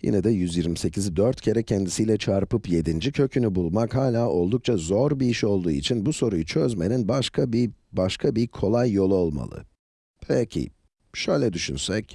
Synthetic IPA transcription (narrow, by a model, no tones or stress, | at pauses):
jḭnɛd̪ɛjyzjiɾmise̞cʰizd̪øɾt̪cʰeɾɛcʰɛnd̪isijːlʲɛt͡ʃʰaɾpɯpje̞d̪ind͡ʒicʰø̞cʰynybulˠmakhaːlʲaːʔo̞lˠd̪uk̚t͡ʃʰazo̞ɾbiiʃo̞lˠd̪uːit͡ʃʰinbuso̞ɾujut͡ʃʰø̞zme̞ninbaʃkʰabibaʃkʰabikʰo̞lˠajːo̞lˠuo̞lˠma̰lˠɯ̰ | pʰɛcʰḭ | ʃø̞jlʲɛd̪yʃy̰nsɛc